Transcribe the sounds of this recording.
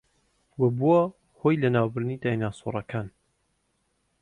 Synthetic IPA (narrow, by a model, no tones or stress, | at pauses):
wɐbua | hojlɐnaːwbɨɾd̪nid̪ajnaːsṵrˤɐkʰaːn